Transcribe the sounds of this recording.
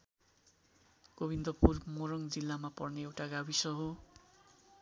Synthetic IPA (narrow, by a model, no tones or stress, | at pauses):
ɡ̥obind̪ʌpurmoɾʌŋd͡zilːamapʌrneewʈaɡabisʌɦo